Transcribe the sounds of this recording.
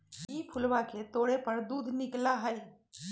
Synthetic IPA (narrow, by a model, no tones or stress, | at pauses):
iːpʰʊlwaket̪oːɽepɐɾd̪uːd̪ʱnɪklaɦəi